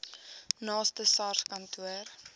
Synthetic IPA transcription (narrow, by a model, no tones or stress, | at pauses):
nɑːstəsɐrskɐntʰuər